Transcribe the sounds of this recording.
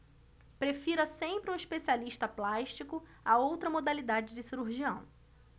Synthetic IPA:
pɾefiɾɐsẽmpɾɪũiʃpesialiʃt̪ɐplaʃt͡ʃikʊ | aowt̪ɾɐmod̪alid̪ad͡ʒɪd͡ʒɪsiɾuɾʒiɐ̰̃w̃

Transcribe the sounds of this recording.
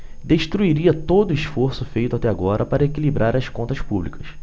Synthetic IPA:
d̪eʃt̪ɾuiɾiɐt̪od̪ʊiʃfoɾsʊfejt̪ʊat̪ɛaɡɔɾʔɐpaɾɐekilibɾʔaɾɐskõnt̪ɐspublikɐs

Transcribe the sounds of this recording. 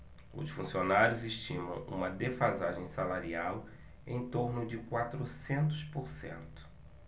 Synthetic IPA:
ʊ̰sfũsionaɾjʊzɪʃt͡ʃĩmɐ̰̃w̃ṵ̃mɐd̪efazaʒẽj̃salaɾiaw | ẽj̃t̪oɾnʊd͡ʒɪkwat̪ɾʊsẽnt̪ʊspoɾsḛ̃nt̪ʊ̥

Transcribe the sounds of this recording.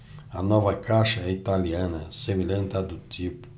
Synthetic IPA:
anɔvakaʃait̪alianasemilənt̪ad̪ut̪ʲip

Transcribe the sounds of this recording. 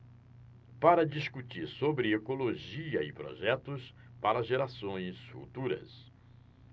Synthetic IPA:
paɾɐd͡ʒiskut͡ʃiɾsobɾɪekoloʒiɐɪpɾo̰ʒɛt̪ʊs | paɾɐʒeɾasõj̃sfṵt̪uɾɐ̰s

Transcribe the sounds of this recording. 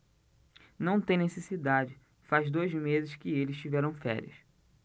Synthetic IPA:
nɐ̃w̃t̪ẽj̃nesesid̪ad͡ʒɪ | fazd̪ojzmezɪʃkɪelɪsʃt͡ʃivɛɾɐ̃w̃fɛ̰ɾḭɐ̰s

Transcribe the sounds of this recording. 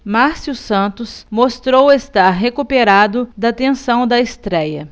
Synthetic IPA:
maɾsiusɐ̃nt̪ʊsmost̪ɾowest̪aɾɦekupeɾad̪ʊd̪ɐt̪ẽsɐ̃w̃d̪ɐest̪ɾɛjɐ

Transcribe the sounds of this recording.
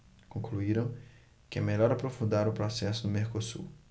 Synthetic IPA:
kõkluiɾɐ̃w̃ | kɪɛmeʎɔɾapɾofũnd̪aɾʊpɾɔsɛsʊd̪ʊmeɾkosṵɾ

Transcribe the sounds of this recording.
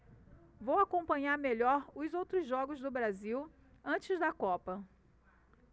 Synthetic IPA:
vowakõpɐ̃ɲaɾmeʎɔɾʊzowt̪ɾʊzʒɔɡʊzd̪ʊbɾaziw | ɐ̃t͡ʃɪzd̪ɐkɔpɐ

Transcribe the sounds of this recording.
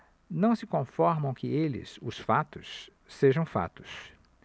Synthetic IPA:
nɐ̃w̃sɪkõfɔɾmɐ̃w̃kɪelɪ̰sʊsfat̪ʊs | seʒɐ̃w̃fa̰t̪ʊ̥s

